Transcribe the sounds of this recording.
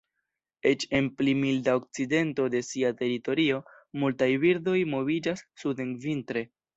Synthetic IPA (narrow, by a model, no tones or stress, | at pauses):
e̞t͡ʃe̞nplimildao̞k̚t͡side̞nto̞de̞siate̞ɾito̞ɾio̞ | multajviɾdo̞jmo̞vid͡ʒasːudenvintɾe̞